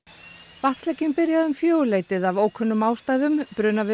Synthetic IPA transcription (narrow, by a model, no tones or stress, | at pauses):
vaslɛcːɪnpɪɾjaðʏmfjoːwleːjt̪ɪðavoːwkʰœnːʏmːaːwst̪aːjðʏmpɾʏːnavɪ